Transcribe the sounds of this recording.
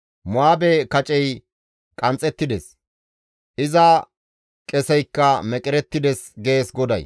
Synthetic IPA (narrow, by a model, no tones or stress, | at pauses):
mʊaːbɛkɐt͡ʃʼɛj | kʼɐnt͡sʼɛt̪ːɪd̪ɛs | ʔɪzɐ | kʼɛsɛjkːɐmɛkʼɪɾɛt̪ːɪd̪ɛsɡe̞ːsɡɔd̪ɐ̰j